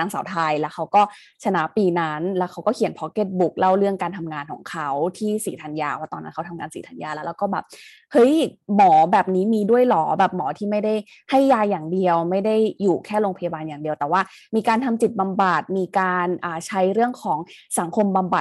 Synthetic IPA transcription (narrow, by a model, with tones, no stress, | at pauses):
naː˧ŋsa̰˩˦wt̪ʰaː˧jlɛː˦˥wkʰa˦˥wkɔː˥˩ | t͡ɕʰa˧na˦˥ʔpiː˧na˦˥nlɛː˦˥wkʰa˦˥wkɔː˥˩kʰi˨˩˦npʰɔ˦˥ke˧˥˩t̪̚bu˨˩k̚la˥˩wɾɯ˥˩əŋkaː˧nt̪ʰa˧mŋaː˧nkʰɔ̰ː˩˦ŋkʰa˦˥wt̪ʰiː˥˩siː˩˦t̪ʰa˧njaː˧waː˥˩t̪ɔː˧na˦˥nkʰa˦˥t̪ʰa˧ŋaː˧nsiː˨˩˦t̪ʰa˧njaː˧˩lɛː˦˥wlːɛː˦˥wkɔː˥˩bɛː˨˩p̚ | hɤ˦˥jmɔː˩˦bɛː˨˩p̚niː˦˥miː˧du˥˩əjlɔː˩˦bɛː˨˩p̚mɔː˩˦t̪ʰiː˥˩ma˥˩jda˥˩j | ha˥˩jːaː˧jːaː˨˩ŋdi˧əwma˥˩jda˥˩jːuː˨˩kʰɛː˥˩lo˧ŋpʰa˧jaː˧baː˧njaː˨˩ŋdi˨˧əwt̪ɛː˨˩waː˥˩ | miː˧kaː˧nt̪ʰa˧mt͡ɕi˨˩t̪̚ba˧mba˨˩t̪̚miː˧kaː˧nʔaː˨˩t͡ɕʰa˦˥jɾɯ˥˩əŋkʰɔː˩˦ŋsa˩˦ŋkʰo˧mba˧mba˨˩t̚